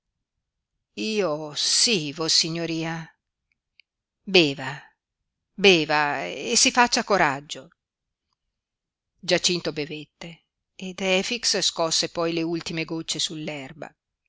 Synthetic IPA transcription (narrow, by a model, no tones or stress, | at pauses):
iːosivosiɲːoɾiːa | bɛːva | bɛːvaesːifat͡ʃːakoɾad͡ʒːo | d͡ʒat͡ʃint̪obevet̪ːeː | d̪ɛfiksskɔsːepɔjleult̪imeɡot͡ʃːesulːɛrba̰